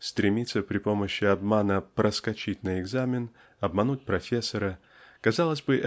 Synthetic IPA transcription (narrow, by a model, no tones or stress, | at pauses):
st̪ɾʲɪmʲit̪səpɾʲɪpo̞məɕːɪɐbmanəpɾəskɐt͡ɕit̚ʲnəɪɡzamʲɪn | ɐbmɐnut̚ʲpɾɐfʲesːəɾə | kɐzɑlˠəzʲbɨʔ